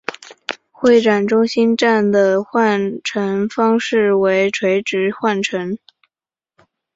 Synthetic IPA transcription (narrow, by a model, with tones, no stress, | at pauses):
xwe˥˩ɪʈ͡ʂa˨˩nʈ͡ʂʊ˥ŋɕi˥nʈ͡ʂa˥˩nd̪ə˩xwa˥˩nʈ͡ʂʰə˧˥nfɑ˥ŋʂɻ̩˥˩we˧˥ɪʈ͡ʂʰwe˧˥ɪʈ͡ʂɻ̩˧˥xwa˥˩nʈ͡ʂʰə˧˥ŋ